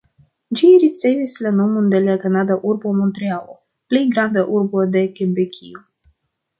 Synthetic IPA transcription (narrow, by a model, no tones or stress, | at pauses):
d͡ʒiɾit̪sejvislenomund̪eliakanad̪aʔurbomont̪ɾialˠo | plijɡɾand̪əʔurbod̪ekʲebekʰʲḭu